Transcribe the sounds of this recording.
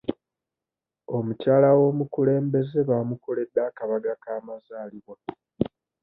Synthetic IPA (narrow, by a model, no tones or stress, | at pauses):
o̞mucaːlawo̞ːmukule̞ːmbe̞ze̞βaːmukole̞d̪ːakaβaɡakaːmazaːliβwa